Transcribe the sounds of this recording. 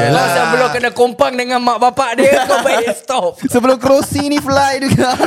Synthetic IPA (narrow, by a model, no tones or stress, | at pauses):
lasabəlakənakompaŋdəŋãnmaʔbapaʔdikobajst̪ɔp̚səbəlʊmk̬ɾosinĩflajduɡaʔ